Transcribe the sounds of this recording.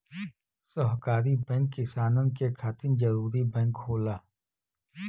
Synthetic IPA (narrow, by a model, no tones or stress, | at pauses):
sɔɦkaːɾibɛ̃ːŋkːɪsaːnənkekʰaːt̪ɪnd͡ʒɐɾuːɾibɛ̃ːŋkɦoːlaː